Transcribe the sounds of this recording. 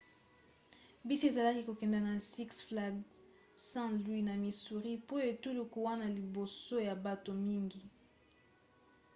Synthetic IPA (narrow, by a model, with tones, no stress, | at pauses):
bi˦si˦e˨za˨la˦ki˦ko˨kɛ˨nda˨na˨si˦ksfla˦ɡ | sã˦lwi˦na˨mi˨su˨ʁi˦po˦e˨tu˦lu˨ku˦wa˦na˨li˨bo˨so˦ja˨ba˨to˨mi˦ŋɡi˨